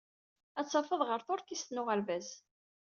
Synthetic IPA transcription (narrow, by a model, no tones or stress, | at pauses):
æt͡sːɑfəðˤʁəɾθoɾkist̪nʊʁəɾvæz